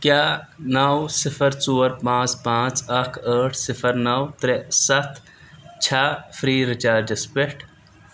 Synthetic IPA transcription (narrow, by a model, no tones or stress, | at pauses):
kjaː | nawsɪfʰəɾt͡suːəɾpãːt͡ʃpãːt͡sɐkʰəːʈʰsɪfʰəɾnɐwt̪ɾesɐt̪ʰ | t͡ʃʰaːfʰɾiːɾɪt͡ʃaːɾd͡ʒɐspeʈ